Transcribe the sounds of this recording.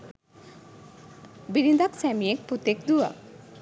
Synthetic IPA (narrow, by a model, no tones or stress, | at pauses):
biɾind̪aksɛmiek̚put̪ek̚d̪ua̰